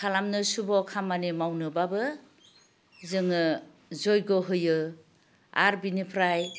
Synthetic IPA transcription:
kʰalamnɯsubɔkʰamanimawnɯbabɯ | zɯŋɯ | zɔjɡɔɦɯjɯ | aɾbinipʰɾaj

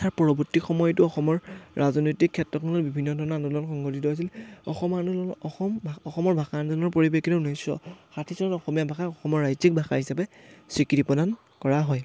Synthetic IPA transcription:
tʰaɹpɔɹɔbɔtikxɔmɔjɔtʊɔxɔmɔɹɹazɔnojtikʰːɛtɹɔkʰɔlɔbibʱinːɔdʱɔɹɔnanulɔnxɔŋɡotitɔɦojs̬ilɔ̰xɔmanuɔmɔxɔmɔɹbʱaxanzɔnɔɹpoɹibekʰitɛunisɔ̰xatʰisɔnɔtɔxɔmijabʱaxaɔxɔmɔɹːajzik̚bʱaxa̰ɹhɦisapɛsɹikitipɔdan | kɔɹaɦɔj

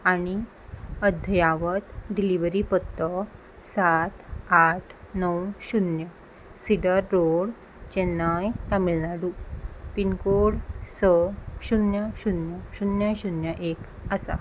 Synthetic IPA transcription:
añi | əd̪ʱəjaʋət̪ɖiliʋəɾipət̪ːə | sat̪ʰaʈʰnəwɕunjə | siɽəɾːoɽ | t͡ɕɛnːajt̪amilnaɽupinkoɽsəɕunjəɕunjəɕunjaɕunjəʔek | asa̰

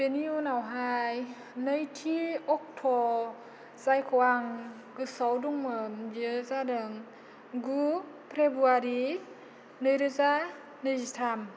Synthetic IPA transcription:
peniunawɦaj | nəjtʰiɔk̚tʰɔ | zajkʰɔwaŋ | ɡɯsɔwduŋmɯmd͡ʒizadɯŋ | ɡu | pʰɾebuaɾi | nɯjɾɯza | nɯzitʰam

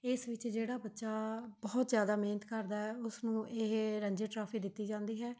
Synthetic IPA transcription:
ɪsʋɪt͡ʃd͡ʒeːɽaːbətːʃaːbɔːt̪zjaːd̪aːmeːnət̪kəɾd̪aːɦɛːʊsnũːʔeɦɾə̃ɲd͡ʒeːʈɾaːpʰiːd̪ɪt̪ːiːd͡ʒãːnd̪iːɦɛː

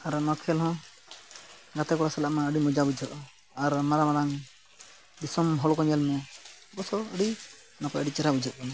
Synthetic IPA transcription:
aɾmɔkʰɛlɦɔ̃ | ɡat̪ɛkɔɽasɛlaʔmaəɽimɔd͡ʒabud͡ʒʱɔʔɔ | aɾmaɾamaɾaŋ | bisɔmɦɔlkɔɲɛlmɛbɔsɔəɽi | nɔpɔəɽit͡ʃɛɾabud͡ʒʱət̪̚kɔn

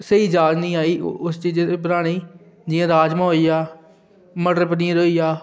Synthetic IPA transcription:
səiːd͡ʒaːd͡ʒnĩːaːiːʊst͡ʃiːd͡ʒep̬əɾaːɽ̃iː | d͡ʒɪːãːɾaːd͡ʒmãːɦoiːjaː | məɖəɾpəniãːɾoːiːaː

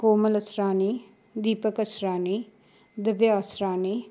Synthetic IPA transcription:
koːmələsɾaːniː | d̪iːpəkəsɾaːniː | d̪əʋjaːsɾaːniː

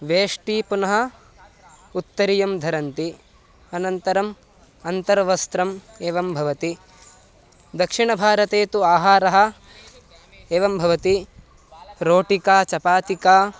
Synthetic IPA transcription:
ʋeːʂʈiːpunɐɦɐ̆ | ut̪ːɐɾijɐmd̪ʱɐɾɐnt̪i | ɐnɐnt̪ɐɾɐm | ɐnt̪ɐɾʋɐst̪ɾɐm | eːʋɐmbʱɐʋɐt̪i | d̪ɐkʂiɳɐbʱaːɾɐt̪eːt̪uaːɦaːɾɐɦɐ̆ | eːʋɐmbʱɐʋɐt̪i | ɾoːʈikaːt͡ʃɐpaːt̪ikaː

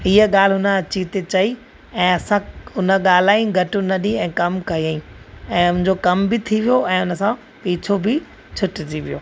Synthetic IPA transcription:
iɦəɠaːl̤ɦʊnə̆ɐt͡ɕit̪et͡ɕɐi | ɛ̃ːɐsãʊnə̆ɠaːl̤aːĩɡʱɐʈʊnɐɗĩɛ̃ːkɐmkɐɦiaːĩɛ̃ːʊnɪ̃ɲ̆d͡ʑokɐmbɪt̪ʰiʋijoʔɛ̃ːʊnə̆sã | piːt͡ɕʰobɪ | t͡ɕʰʊʈd͡ʑiʋijo̰ː

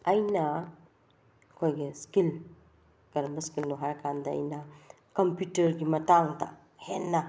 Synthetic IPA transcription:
ɐjnɐ | kʰojɡeskil | kɐɾmbɐskilnuɦaɾkʰand̪ɐɐ̰jnɐ | kɐmputɐɾɡimɐtaŋdɐ̰ | henːɐ

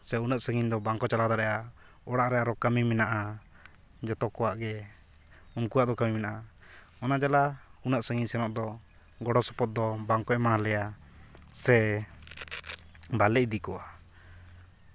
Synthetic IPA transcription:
sɛunaʔsəŋiɲd̪ɔbaŋkɔt͡ʃalad̪aɾɛja | ɔɽaʔɾɛaɾɔkamimɛnaʔa | d͡ʒɔt̪ɔkɔwaʔɡɛ | unkuwaʔd̪ɔkamiminaʔa | ɔnad͡ʒalaunaʔsəŋiɲsɛnɔʔd̪ɔ | ɡɔɽɔsɔ̥pɔt̪̚d̪ɔbaŋkɔɛmalɛja | sɛ | balɛc̚d̪ikɔa

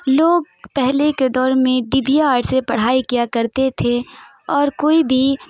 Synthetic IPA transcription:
loːɡ̚ | pɛɦleked̪ɔːɾmẽɖibijaaːʈsepɐɽ̤aːikijakɐɾt̪et̪ʰe | ɔːɾkoːibʱi

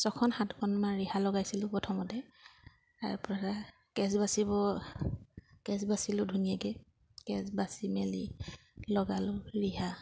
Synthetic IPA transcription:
sɔkʰɔnhatkʰɔnmaɹihalɔɡajsilʊpɔtʰɔmɔtɛ | ta̰ɹpɔɹa | kɛs̬basibɔ | kɛsbasilʊdʱunijaɡɛ | kɛsbasimelḭ | lɔɡalʊɹiɦa

